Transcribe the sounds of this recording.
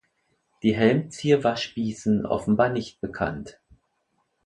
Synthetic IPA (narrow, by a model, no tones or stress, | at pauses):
d̥iːɦɛlmt͡siːɐvaɐʃpiːsn̩ʔɔ̰fn̩baːɐnɪçt̚b̥əkʰa̰nt